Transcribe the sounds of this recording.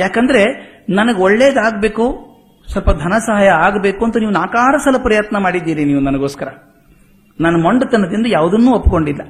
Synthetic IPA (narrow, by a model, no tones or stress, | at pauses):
jaːkɐnd̪ɐɾe̞nɐnɐɡeoɭːeːd̪aːɡbe̞ːku | sɐlpɐd̪ʱɐnɐsɐɦaːjɐaːɡbe̞ːkuɐnt̪ɐniːʋunaːkaːɾɐsɐlːɐpɐɾɐjɐt̪nɐmaːɽid̪ːiːɾiniːʋunɐnɐɡo̞ːskɐɾɐ | nanːɐmɐɳɖɐt̪ɐnːɐd̪ind̪ujaːʋud̪ɐnːuːopːko̞ɳɖilːɐ